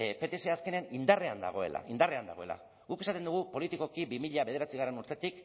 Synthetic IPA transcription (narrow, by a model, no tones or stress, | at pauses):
pe̞t̪eseaske̞neanind̪are̞and̪a̰ɣ̞o̞e̞̰la̰ind̪are̞and̪a̰ɣ̞o̞ela̰ | ɣuke̞sat̪e̞nd̪uɣupo̞lit̪ikokibimiʎaβe̞ð̞e̞ɾat͡siɣ̞are̞nuɾt̪e̞t̪ik